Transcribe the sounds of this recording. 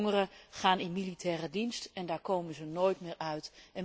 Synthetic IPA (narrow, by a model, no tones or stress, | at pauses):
ŋərəχaːnɪnmilitʰɛːrədinstɛndaːɹkowmənzənoːjtmɪːɹʔœɥtɛn